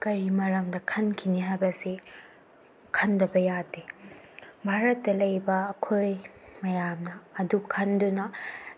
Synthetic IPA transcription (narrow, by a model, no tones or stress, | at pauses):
kɐɾimɐɾɐmdɐkʰɐnkʰiniɦajbɐsi | kʰɐndɐbɐjade | bʱaɾɐtːɐlɐjbɐːkʰojmɐjamnɐːdukʰɐndunɐ